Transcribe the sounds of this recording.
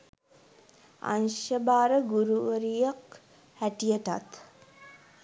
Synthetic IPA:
a̰nʃəbaːɾəɡuɾuʋəɾijək | hæʈijəʈa̰t̪

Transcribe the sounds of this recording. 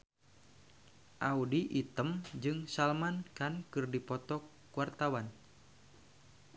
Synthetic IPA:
ʔaudiʔit̪əmd͡ʒɨŋsalmankankɨrdipɔt̪ɔkː | uwart̪awan

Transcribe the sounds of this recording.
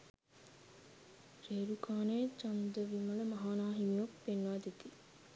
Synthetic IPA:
ɾeːɾukʰaːneːt͡ʃɐnd̪əʋimɐləmɐɦaːnaːɦimiopːenːʋaːd̪it̪i

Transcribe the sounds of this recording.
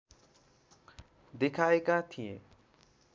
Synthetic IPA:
d̪ekʰaekat̪ʰijḛ̃

